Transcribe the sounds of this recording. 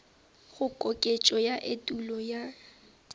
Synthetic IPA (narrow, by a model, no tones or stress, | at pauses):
ɣʊkʼokʼet͡ʃʼɔjaʔetʼulɔja